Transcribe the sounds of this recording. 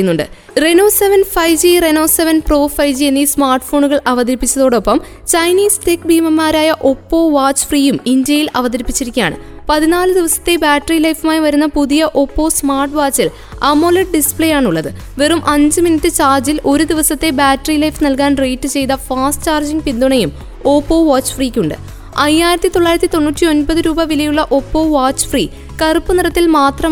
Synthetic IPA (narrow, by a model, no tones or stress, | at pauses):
junːuɳɖɨ̰ | re̞no̞ːse̞ʋɐnfɐjd͡ʑireno̞ːse̞ʋɐnpro̞ːfɐjd͡ʑienːismaːrʈfo̞ːɳuɣɐɭʔɐʋɐd̪ɐɾipːit͡ɕːɐðo̞ːɽo̞pːɐm | t͡ɕɐjniːst̪eːkːbiːmɐmːaːɾaːjɐʔo̞pːo̞ːʋaːt͡ɕːɨ̥friːjumindjɐjilɐʋɐðɐɾipːit͡ɕːiɾikʲːja̰ːɳɨ̰pɐðinaːlɨd̪iʋɐsɐ̥t̪ːe̞baːʈːɐrilɐjfumaːjiʋɐɾunːɐpuðijɐʔo̞pːo̞ːsmaːrʈʋaːt͡ɕːil | ɐmːoleʈ̚ɖispɭejaːɳuɭːɐðɨ | ʋerumʔɐɲd͡ʑɨminitːɨt͡ɕaːrd͡ʑilo̞ɾud̪iʋɐsɐt̪ːe̞baːʈːɐrilɐjfnɐlkaːnre̞jʈːɨt͡ɕe̞jt̪ɐfaːsʈt͡ɕaːrd͡ʑiŋɡpind̪oɳɐjum | o̞ːpːo̞ːʋaːt͡ɕːfriːkʲːuɳɖɨ̰ | ɐjːaːjiɾɐt̪ːit̪o̞ɭːaːjɾɐt̪ːit̪o̞nːuːtʲːio̞nbɐðɨɾuːbɐʋilɐjuɭːɐʔo̞pːo̞ːʋaːt͡ɕːfri | kɐrupːɨniɾɐt̪ːilmaːt̪rɐ